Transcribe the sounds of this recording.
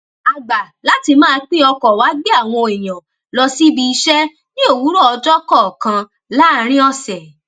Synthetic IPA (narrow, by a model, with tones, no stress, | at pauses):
a˨ɡ͡ba˨la˨˦ti˧mãː˦˧k͡pĩ˦ɔ˧kɔ˨wa˨˦ɡ͡be˦a˦˨w̃ɔ̃˧˨e˨j̃ã˨ | lɔ˧si˦bi˦˧i˧ʃɛ˦ | nĩ˦o˦˨wu˨˦ɾɔ˦ɔ˧d͡ʒɔ˦kɔ˦˨kã˧ | la˦˧ɾ̃ĩ˦ɔ˧sɛ˨